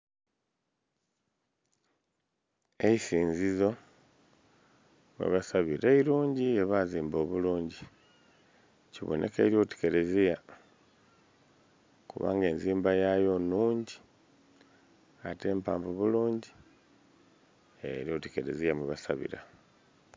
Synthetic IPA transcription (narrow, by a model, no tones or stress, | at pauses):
e̞isiːnzizo̞ | mwḛβasaβiɾeiɾuːɲɟieβaziːmbo̞ːβuluːɲɟi | ciβo̰nʔe̞̰kḛɾio̞te̥ke̞ɾe̞zija | kuβa̰ːŋɡe̞ːnziːmbajajo̞nuːɲɟi | ate̞ːmpa̰ːmvoβuluːɲɟi | ḛɾio̞ːteke̞ɾe̞zijamweβasa̰βḭɾa